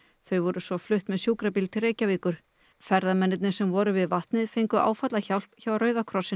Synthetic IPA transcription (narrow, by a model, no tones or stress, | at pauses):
θœɥvɔɾʏsvɔflʏht̪mɛðsjuːkɾapilt̪ʰɪlreːjcaviːkʏɾ̥ | fɛɾðamɛnːɪt̪̬̚nɪ̥sɛmvɔɾʏvɪðvaht̪nɪðfejŋkʏʔa̰ːwfat̪laçawl̥pçawrœːɥðakʰɾɔsɪ